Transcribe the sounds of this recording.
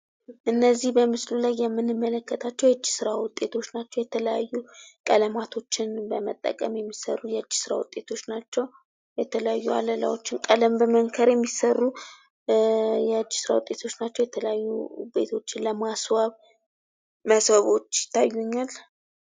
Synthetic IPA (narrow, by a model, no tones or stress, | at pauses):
ʔɨnːəzːihbəmɨslulajːɛmːɨnɨmːələkːət̪ʰat͡ʃːɛwjɛɨd͡ʒːi̥sɨɾawʊt̪ʼːe̞t̪ʰo̞t͡ʃːnat͡ʃːɛwjɛt̪ʰələja̰jːukʼələmat̪ʰo̞t͡ʃːɪnbəmət̪ʼːə̰kʼəmjɛmːisə̰rːujɛɨd͡ʒːi̥sɨɾa̰wʊ̰t̪ʼːe̞t̪ʰo̞t͡ʃːnat͡ʃːɛw | jɛt̪ʰələjajːua̰ləla̰wot͡ʃːɪnkʼələmbəməŋkʰəɾjɛmːisərːu | jɛɨd͡ʒːi̥sɨɾa̰wʊt̪ʼe̞t̪ʰo̞t͡ʃːnat͡ʃːɛwjɛt̪ʰələjajːṵbe̞̰t̪ʰo̞t͡ʃːɪnləmaswaβ | məsbəβo̞t͡ʃːjɪ̥t̪ʰːajːuɲːal